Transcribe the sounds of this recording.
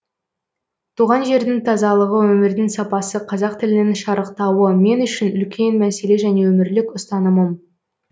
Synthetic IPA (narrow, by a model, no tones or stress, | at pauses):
t̪ʰuʁɑnʒe̞ɾd̪ɪŋt̪ʰɑzɑlˠəʁəwɵmɪɾd̪ɪŋsɑpɑsəqʰɑzɑq̚t̪ʰɪlɪnɪŋʃɑɾəqt̪ɑwəme̞nʏʃɪnʏlkʲʰe̞nmæse̞le̞ʒæne̞wɵmɪɾlɪkʊst̪ɑnəməm